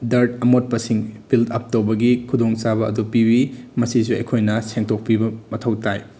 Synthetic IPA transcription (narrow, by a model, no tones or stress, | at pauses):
dɐɾtɐmot̚pɐsiŋbildɐp̚towbɐɡikʰudoŋt͡ʃabɐɐdupibimɐsisuɐ̰jkʰojnɐseŋtok̚pibɐmɐtʰɐwtaj